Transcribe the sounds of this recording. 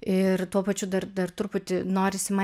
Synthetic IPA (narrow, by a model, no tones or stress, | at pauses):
ɪrt̪uɔpɐt͡ʃʲʊd̪ɐrd̪ɐrt̪ʊrpʊt̪ʲɪnoːɾʲɪsʲɪmɐ